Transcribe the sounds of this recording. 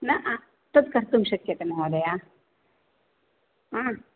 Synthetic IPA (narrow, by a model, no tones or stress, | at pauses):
nɐʔa | t̪ɐd̪kɐɾt̪umʃɐkjɐt̪emɐɦoːd̪ɐjaː | ã